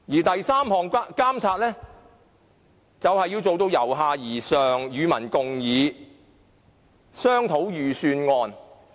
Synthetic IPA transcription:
jiː˨˩t̪ɐ˨jsaː˥mhɔː˨˩ŋ˥kaː˥mt͡sʰaː˧t̚lɛː˥ | t͡sɐ˨whɐ˨jːiː˧wt͡so˨wt̪o˧wjɐ˨˩wɦaː˨jiː˨˩sœː˨˩ŋjyː˨˧mɐ˨˩nkʊ˨ŋjiː˨˧ | sœː˥ŋt̪ʰo˨˥wjyː˨syː˧nŋɔː˧n

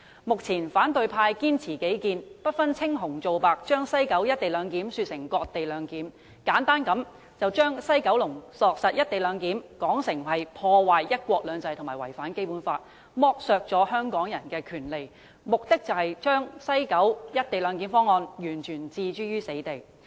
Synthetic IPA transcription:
mʊ˨k̚t͡sʰiː˨˩nfaː˨˥nt̪ɵ˨˧ɥpʰaː˧jkiː˥nt͡sʰiː˨˩ke˨˥jkiː˧npɐ˥t̚fɐ˥nt͡sʰɪ˥ŋɦʊ˨˩ŋt͡so˨wpaː˨k̚t͡ʃœː˥ŋsɐ˥jkɐ˨˥wjɐ˥t̚t̪e˨jlœː˨˧ŋkiː˨˥msyː˧t̚sɪ˨˩ŋkɔː˧k̚t̪e˨jlœː˨˧ŋkiː˨˥m | kaː˨˥nt̪aː˥nkɐ˨˥m | t͡sɐ˨wt͡ʃœː˥ŋsɐ˥jkɐ˨˥wlʊ˨˩ŋsɔː˨k̚sɐ˨t̚jɐ˥t̚t̪e˨jlœː˨˧ŋkiː˨˥mkɔː˨˥ŋsɪ˨˩ŋɦɐ˨jpʰɔː˧waː˨jjɐ˥t̚kʷɔː˧k̚lœː˨˧ŋt͡sɐ˧jt̪ʰmaː˨˩wɐ̰˨˩jfaː˨˥nke˥jpuː˨˥nfaː˧t̚ | mɔː˥k̚sœː˧k̚t͡sɔː˨˥hœː˥ŋkɔː˨˥ŋjɐ˨˩nkɛː˧kʰyː˨˩nle˨j | mʊ˨k̚t̪ɪ˥k̚t͡sɐ˨whɐ˨jt͡ʃœː˥ŋsɐ˥jkɐ˨˥wjɐ˥t̚t̪e˨jlœː˨˧ŋk̬iː˨˥nfɔː˥ŋɔː˧njyː˨˩nt͡ʃʰyː˨˩nt͡siː˧t͡ʃyː˥ɥyː˥se˨˥jt̪e˨j

